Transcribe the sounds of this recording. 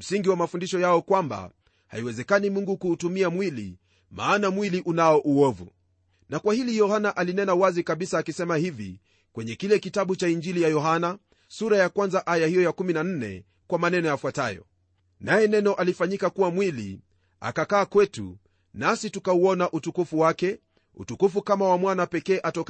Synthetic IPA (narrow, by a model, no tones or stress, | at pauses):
m̩siŋɡiwamafundiʃɔjaɔkwamba̰ | ha̰iwɛzɛkanimuŋɡukuːtumiamwilḭ | ma̰ːnamwiliʔunaɔʔuɔvṵ | nakwahilijɔhanaʔalinɛnawazikaɓisaːkisɛmahivḭ | kwɛɲɛkilɛkitaɓut͡ʃaind͡ʒilijajɔɦana | suɾajakwanzaʔajahijɔjakuminan̩nɛ̰ | kwamanɛnɔjafwatajɔ̰ | najɛnɛnɔʔalifaɲikakuwamwilḭ | a̰kakaːkwɛtṵ | nasitukauɔnaʔutukufuwakɛ | ṵtukufukamawamwanapɛkɛːʔatɔk